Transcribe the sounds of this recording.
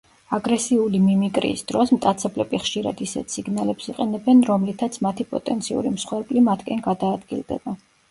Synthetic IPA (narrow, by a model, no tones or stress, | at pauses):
aɡɾɛsiulimimikʼɾḭːsd̪̥ɾɔsmt̪ʼat̪sʰɛblɛbiχʃiɾa̰d̪isɛ̰t̪ʰsiɡnalɛpsiqʼɛnɛbɛnɾɔmlit̪ʰat̪sʰmat̪ʰipʼɔ̰t̪ʼɛnt̪sʰiṵɾimsχwɛɾpʼlimat̪ʰkʼɛnɡad̪aːd̪ɡḭlˠd̪ɛ̰ba